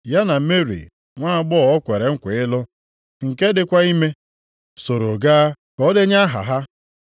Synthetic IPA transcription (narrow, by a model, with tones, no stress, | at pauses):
ja˦na˨˦me˦ɾḭ˨ | ŋʷa˦a˦ɡ͡bɔ˦˨ɔ˦kʷe˨ɾe˨ŋ̩˦kʷe˨ɪ˦lʊ˦ | ŋ̩˨ke˦dɪ˦kʷa˦i˦me˦ | so˨ɾo˨ɡaː˦ | kɔ˦de˦ɲa˦ɦa̰˨ɦa˦